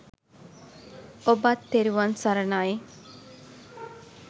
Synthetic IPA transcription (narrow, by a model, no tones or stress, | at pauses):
obat̪ːeɾiʋansɐɾɐnae